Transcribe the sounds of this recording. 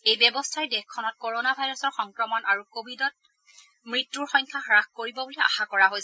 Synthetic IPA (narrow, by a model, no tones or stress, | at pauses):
ejbɛbɔstʰaɹɛdɛxkʰɔnɔt̚koɹonabʱajɹɔsɔɹxɔŋkɹɔmɔnʔaɹukobʱidɔt̚ | mɹitːuɹxɔjɲkʰaxɹaxkoɹibɔbulia̰xakɔɹaɦojsɛ